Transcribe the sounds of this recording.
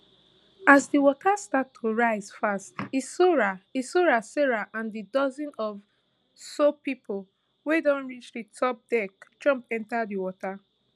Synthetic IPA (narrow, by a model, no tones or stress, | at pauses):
azdiwɔtʰastatʰːoɹaɪz̥fastisoɹaisoɹaseɹaʔãndidɔzĩnɔv | sopipʰol | wedɔ̃nɹit͡ʃdɨtʰɔp̚dɛkd͡ʒʌ̃mpɛ̃ntadiwɔta